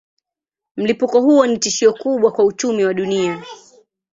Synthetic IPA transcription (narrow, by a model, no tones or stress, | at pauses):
m̩lipukɔhuɔnitiʃiɔkuɓwakwaut͡ʃumiwaɗunia